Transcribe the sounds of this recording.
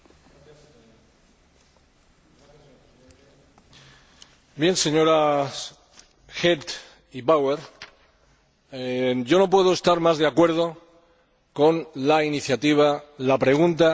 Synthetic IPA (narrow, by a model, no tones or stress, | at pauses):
bje̞nse̞ɲo̞ɾa | xet̪ | iβaweɾ | ɟ͡ʝo̞no̞p̬we̞ðoe̞st̪aɾmazðe̞akwe̞ɾð̞o̞ | ko̞nlainiθjat̪iβ̞alapɾe̞ɣ̞unt̪a